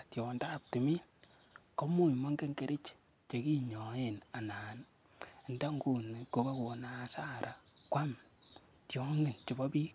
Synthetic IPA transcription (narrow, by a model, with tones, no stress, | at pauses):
tjɔ˨nda˦˨p̚tɪ˨mi˦n | kɔ˦mu˦˨mɔ˦ŋɡe˦ŋke˦ɾʔɪ˦t͡ʃ | t͡ʃe˨ki˦ɲɔ˨˦e˦˨na˨naː˨n˨ | nda˦ŋɡu˦˨n˨ko˨ka˦ko˨na˦sa˦ɾʔa˨kwa˦m | tjɔ˦ŋɡɪ˨nt͡ʃɪ˨bɔ˦bi˦k